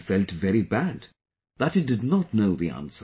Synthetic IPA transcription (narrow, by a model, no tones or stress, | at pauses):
fɛlˠtvɛɾibæd | ðətɨdɨdⁿnətⁿnoʊðiæ̰̃nsə